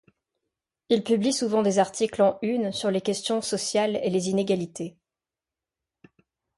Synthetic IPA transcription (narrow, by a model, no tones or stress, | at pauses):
ilpyblisuvɑ̃d̪ezaʁt̪ʰiklɑ̃ynsyʁlekʲɛst̪jɔ̃sɔsjalelezineɡʲalit̪e